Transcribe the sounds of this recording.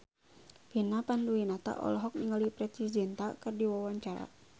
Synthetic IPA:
pinapanduinat̪a̰ʔɔ̰lɔɦɔk̚niŋəlipɾɛtid͡ʒɛnt̪akɨrdiwawaɲt͡ʃaɾa̰

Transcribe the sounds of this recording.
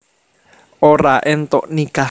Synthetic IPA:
oɾaʔent̪oʔnĩka

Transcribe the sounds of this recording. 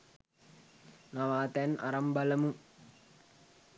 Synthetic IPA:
naʋaːt̪æna̰ɾɐmbɐlɐmu

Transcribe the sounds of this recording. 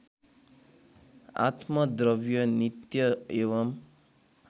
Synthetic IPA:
a̰t̪mʌd̪ɾʌbjʌnit̪jʌeʋʌm

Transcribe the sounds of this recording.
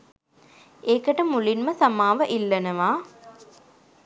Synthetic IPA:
eːkəʈəmulinməsamaːʋəʔilːənəʋaː

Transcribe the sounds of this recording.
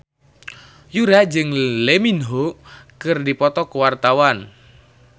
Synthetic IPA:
juɾad͡ʒɨŋleminɦokɨrdipɔt̪ɔkəwart̪awan

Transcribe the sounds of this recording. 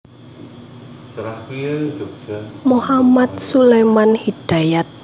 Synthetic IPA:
tɾakiɾd͡ʒuk̚muhamat̪̚sulemanhid̥a̤jat̪̚

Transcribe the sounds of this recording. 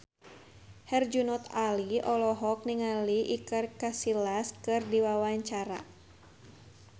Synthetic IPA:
hɛrd͡ʒunɔt̪aliɔlɔɦɔk̚niŋaliʔikərkasilaskɨrdiwawaɲt͡ʃaɾa̰

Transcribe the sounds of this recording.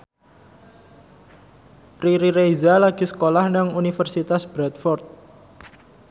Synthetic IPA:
pɾiɾiɾejzalaɡ̥i̤sə̥kolahnaŋunifərsit̪asb̥ɾɛt̪̚fɔrt̪̚

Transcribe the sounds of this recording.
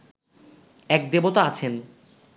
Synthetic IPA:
ɛk̚d̪ebot̪oat͡ɕʰen

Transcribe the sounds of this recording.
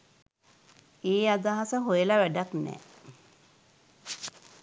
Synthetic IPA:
eːad̪aɦasəɦojəlaʋæɖak̪nɛ̰

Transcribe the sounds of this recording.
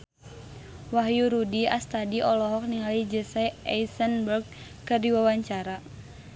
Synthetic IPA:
waɦjuɾudiast̪adiʔɔlɔɦɔk̚niŋalid͡ʒəsaa̰isənbərɡ̚ | kɨrdiwawaɲt͡ʃaɾa

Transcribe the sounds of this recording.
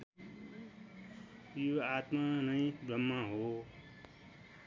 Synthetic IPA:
joaːt̪manəĩbɾʌmːãɦo

